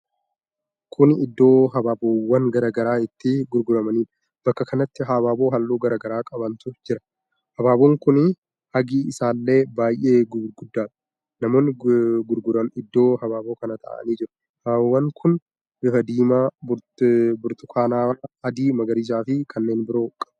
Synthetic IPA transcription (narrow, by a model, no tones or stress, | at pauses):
kʰʊnɪd̪ːo̞ːɦɐbaːboːwːɐŋɡɐɾɐɡɐɾaːɪt̪ːɪɡʊɾɡʊɾɐmɐniːᶑ | b̥ɐkːɐkɐnɐt̪ːɪɦaːbaːboːɦɐlːuːɡɐɾɐɡɐɾaːkʼɐbɐnt̪ʊd͡ʒɪɾɐ̥ | hɐbaːboŋkʊnɪ | hɐɡiːɪsaːlːe̞ːbaːjʔe̞ːɡʊɾɡʊd̪ːaːᶑɐ̥ | nɐmoːnːɪɡʊɾɡʊɾɐɪd̪ːo̞ːhɐbaːboːkɐnɐt̪ʰɐ̰ʔɐ̰niːd͡ʒɪɾɐ̥ | hwːɐŋkʰʊn | bɪfɐd̪iːmabɾbʊɾt̪ʊ̥kʰaːnaːaɐd̪iːmɐɡɐɾiːs̬aːfɪkʰɐnːe̞ːnbɪɾoːkʼɐb